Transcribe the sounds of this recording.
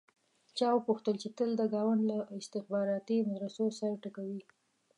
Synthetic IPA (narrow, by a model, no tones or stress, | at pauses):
t͡ʃɑwəpuxt̪əlt͡ʃet̪əld̪əɡɑwaɳɖlaɪst̪ɪxbɑɾɑt̪imad̪ɾasosaɾaʈəkawi